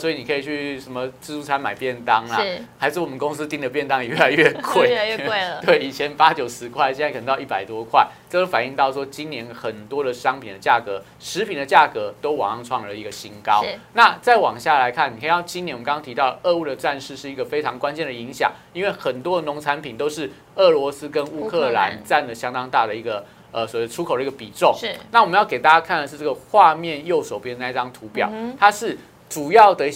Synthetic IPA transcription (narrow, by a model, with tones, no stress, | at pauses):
swɔ˧˥i˨ni˨˩kʰɤ˧˥i˨˩t͡ɕʰy˥˩ʂə˧˦nmə˧t͡sɻ̩˥˧ʂu˥˩t͡sʰa˧˥nma˨˩ɪpjɛ˥˩nt̪ɑ˥ŋla˦xa˧˥ɪʂ̩˥˩wɔ˨mə˦nko˥˦ŋs̩˦˥t̪i˥˩ŋd̪ə˩p̬jɛ˥˩nt̪ɑ˥ŋ˨ɥɛ˥˩la˨˧ɪɥɛ˥˧kʰwe˥˩ɪ˧˥˧t̪we˥˩ɪi˨˩t͡ɕʰjɛ˧˦˥npa˦˥t͡ɕjo˨˩ʊsɹ̩˧˦kʰwa˥˧ɪɕjna˥ɪkə˨˩˦t̪i˥˩pa˨˩ɪt̪wɔ˥kʰwa˥˩ɪʈ͡ʂɤ˥˧do˥fa˨˩ni˥˧ŋt̪ɑ˥˩ʊʂwɔ˥t͡ɕi˥nnjɛ˧˥nxə˨˩nt̪wɔ˥d̪ə˨ʂɑ˥ŋpʰi˨nd̪ə˩t͡ɕja˥˩kɤ˧˦ | ʂɻ̩˧˥pʰi˨nd̪ə˦t͡ɕja˥˩kɤ˧˦t̪o˥ʊwɑ̰˨˩ŋɑ˥˧ŋʈ͡ʂʰwɑ˥˩ŋə˧˩i˧˥ɡə˧ɕi˧˥nkɑ˥˦ʊna˥˨t͡sa˥˩ɪwɑ˨˩ŋɕja˥˩la˧˦ɪkʰa˥˩ni˨kʰə˥i˨˩j̪ɑ˥˩t͡ɕi˥niɛ˧nwŋt̪ʰi˧t̪ɑ˥˩ʊd̪ə˩ʔɤ˥˧u˥˩d̪ə˩ʈ͡ʂa˥˧nʂɻ̩˥˧ʂɻ̩˥˩i˧˥ɡə˨fe˥ɪʈ͡ʂʰɑ˧˥ŋkwa˦nt͡ɕjɛ˥˩nd̪ə˩i˧˦ŋɕjɑ̰˨˩ŋi˥nwe˥˩ɪxə˨˩nt̪wɔ˥də˨nʊ˧˥ŋʈ͡ʂʰa˧˦npʰi˨˩nt̪o˥ʊʂɻ̩˥˩ | ɤ˥˩lwɔ˧˦˥sɹ̩˦˥kə˦nu˥kʰɤ˥˧la̰˧˦nt͡sa˥˩nlə˩ɕjɑ˥ŋd̪ɑ˥ŋt̪a˥˩d̪ə˩i˧˥ɡə˨ | ə˩swɔ˨˥we˥˩ə˩ʈ͡ʂʰu˥kʰo˨˩ʊdə˧i˥ɡə˩pi˨˩ʈ͡ʂo˥˩ŋna˥˩wɔ˨mə˧˦jɑ˥˩ʊe˨˩t̪a˥˩ja˥kʰa˥˩nd̪ə˩ʂ̩˥˧ʈ͡ʂɤ˥˩ɡə˩xwa˥˧mjɛ˥˨njo˥˩ʊso˨˩ʊpjɛ˥d̪ə˧na˥˧˥i˧ʈ͡ʂɑ˥ŋt̪ʰu˧˥pjɑ̰˨˩ʊt̪ʰa˥ʂɻ̩˥˩ | ʈ͡ʂu˨˩jɑ˥˩ʊd̪ə˩